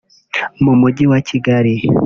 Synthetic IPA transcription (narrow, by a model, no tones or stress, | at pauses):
mumuɟiwaciɡaɾi